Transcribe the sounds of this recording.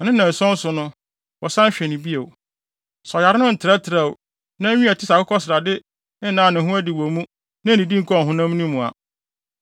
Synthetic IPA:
nɪ̃˦nã˨n̩˨sɔ̃˦n˦sʊ˨nʊ̃˦ | wɔ˨sã˦ɕᶣɛ˨nɪ̃˨bi˦e˨w | sɔ˨ja˨ɾɪ˦ʊ̃˦n̩˨tʰɪ˨ɾa˦tʰɪ˨ɾa˨w | nã˦ɲũ˦æ˨tʰɪ˦sa˨kʊ˦kʰɔ˦sɪ˨ɾa˨dɪ˦ | nã˨˦˨nɪ̃˨ɦʊ̃˦æ˦dɪ˨wɔ˨mũ˦ | nã˦˨nĩ˨dĩ˦ŋ̩˦kʰɔ˦˨ɦʊ̃˦nã˦m˦nũ˦mũ˨a̰˨

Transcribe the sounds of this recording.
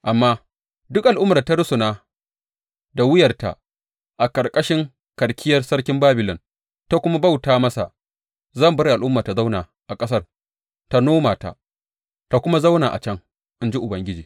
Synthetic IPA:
ʔa˨mːaː˦ | dʊ˦kʔa˨lʔʊ˦mːɐ˨rta˦ɽʊ˦sʊ˨naː˦ | da˨wɪ˦jɐ˨rta̰˨ | ʔa˨kɐ˨rkʼɐ˦ʃɪ˦ŋ | kɐ˨ɽkʲʰɪ˦jɐ˦rsɐ˦rkʲɪ˦mbaː˦bɪ˨lɔ˨n | ta˦kʷʊ˦ma˦ba˦wtaː˨mɐ˦sa̰˨ | zɐ˦˨mbɐ˦ɾi˨ʔa˨lʔʊ˦mːaː˨ta˨za˦wnaː˨ | ʔa˨kʼɐ˦sɐ˦r | ta˦noː˦maː˨ta̰˨ | ta˨kʷʊ˦ma˦za˦wnaː˨ʔa̰˨t͡ʃɐ˦ŋ | ʔɪ˨nd͡ʒi˦ʔʊ˨bɐ˦ŋɡʲɪ˦d͡ʒiː˨

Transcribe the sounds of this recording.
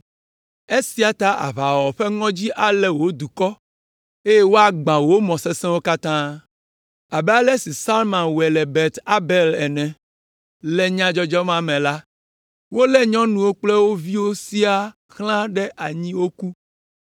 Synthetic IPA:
e˦si˦a˨t̪a˦ʔa̰˨βa˨wɔ˨ɸɛ˦ŋɔ̃˦d͡ʑi˦ʔa˨lɛ˦wo˦d̪u˨kɔ˦ | e˦je˦wo˦a˦ɡ͡bã˨wo˦mɔ̃˨sɛ˦sɛ̃˦wo˦ka˦t̪ã˦ | a˨bɛ˦a˦lɛ˦si˨sa˦lmã˨nwɛ˨lɛ˨bɛ˨t̪a˦bɛ˨lɛ˨nɛ̃˨ | lɛ˦ɲã˦d͡ʒɔ˦d͡ʒɔ˦mã˦mɛ̃˨la˦ | wo˦lɛ˦ɲɔ̃˦nũ˨wo˦k͡plɛ˦wo˦vi˦wo˦si˦a˦ | xlã˦ɖɛ˦ʔa˨ɲĩ˦wo˦ku˦

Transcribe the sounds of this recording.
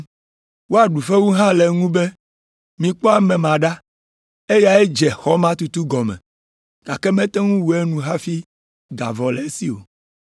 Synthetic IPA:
wo˦a˨ɖu˨fe˦wu˦ɦã˦lɛ˨ŋũ˦be˦ | mĩ˨k͡pɔ˦a˦mɛ̃˨mã˨ɖa˦ | e˦ja˨e˦d͡ʒɛ˨xɔ˦mã˦t̪u˨t̪u˦ɡɔ˨mɛ̰̃˨ | ɡ̥a˨kɛ˦mɛ̃˦t̪ɛ˦ŋũ˦wu˨e˦nũ˨ɦa˦fi˦ | ɡ̪a̰˨vɔ˨lɛ˨e˦si˦o̰˨

